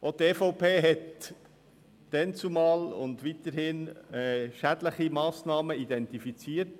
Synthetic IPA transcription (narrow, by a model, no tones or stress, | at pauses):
ʔot̪ɛːfɔʊpʰeːɦɛt | d̥ɛnt͡sumɑːlʊ̰nd̪ʋit̪əɾhɪnɛʃædləχimɑːsnɑːməid̪ɛntifit͡siːəɾt